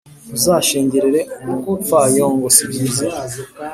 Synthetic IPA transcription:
uzaːʃeːɲɟeɾeɾeukutfajoːŋɡosiɡiːze

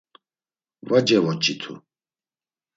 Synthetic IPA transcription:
vad͡ʒɛvɔt͡ʃʼit̪ʰṵ

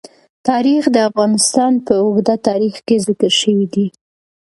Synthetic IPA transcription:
t̪ɑɾixd̪əafɣɑnɪst̪ɑnpəʊɡd̪at̪ɑɾixkezɪkəɾʃəwid̪i

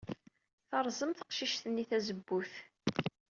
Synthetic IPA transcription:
θɑɾˤzˤəmθə̥qʃiʃθənːiθæzəbːuθ

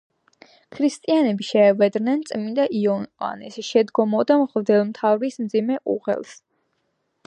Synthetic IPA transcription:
kʰɾist̪ʼianɛbiʃɛːvɛd̪nɛnt̪sʼmind̪aʔiɔnqʼa̰nɛsʃɛd̪ɡɔmɔd̪amʁld̪ɛlˠmt̪ʰavɾismd̪zimɛʔṵʁɛ̰lˠs

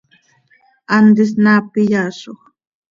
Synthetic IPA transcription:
and̪ɪs̬napɪjaːʃoχ

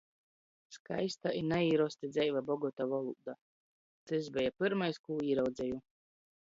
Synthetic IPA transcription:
ska̰jst̪ainaiːɾɔst̪id̪zʲɛjvabɔɡɔt̪avɔlˠud̪a | t̪sɛzbʲɛjapɨɾmajskuːiːɾawd̪zʲɛju

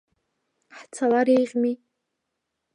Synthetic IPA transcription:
ħt͡sʰalaɾejʁʲmi

